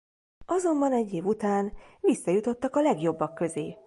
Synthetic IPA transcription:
ɒzo̞mbɒnɛɟːeːvut̪aːnʋisːɒjut̪o̞t̪ːɒkɒlɛɡjo̞bːɒkːø̞zeː

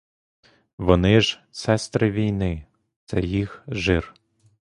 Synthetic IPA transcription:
ʋɔnɪʒsɛst̪ɾɪʋʲijnɪ | t̪sɛjixʒɪr

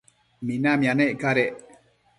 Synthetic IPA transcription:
minamjaneʔkaɾeʔ

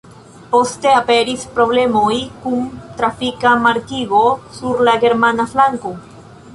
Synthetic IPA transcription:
post̪eapeɾispɾoβlemojkuŋt̪ɾafikamaɾkiɣosuɾlaɣeɾmanaflaŋko

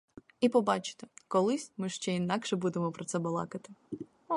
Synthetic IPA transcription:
ipɔbɑt͡ʃɪ̥t̪ekɔlˠɪsʲmɪʃt͡ʃɛinɑkʃɛbud̪emɔpɾɔt̪sɛbɔlˠɑ̰kɐt̪ɪ

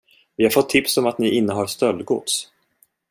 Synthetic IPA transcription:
vɪhaɾfɔt̪ʰːɪpsɔmat̪nɪʔɪnːəɦaɾst̪œlːɡʊ̰t̪s

